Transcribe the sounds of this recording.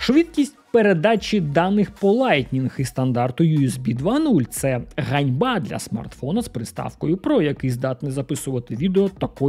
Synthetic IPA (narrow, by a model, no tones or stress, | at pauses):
ʃʋʲid̪kʲisʲtʲpeɾed̪ɑt͡ʃʲid̪ɑnɪxpɔlˠɑjt̪ʲnʲinxist̪ɐnd̪ɑrt̪ʊjuezbʲid̪ʋɑnulʲt̪sɛɣɐnʲbɑd̪lʲɐ̰smɐ̰rt̪fɔnɐspɾɪst̪ɑ̰fkɔjʊpɾɔjɐkɪzd̪ɑt̪nɪzɐpɪsʊʋɐt̪ɪʋʲid̪eɔt̪ɐkɔ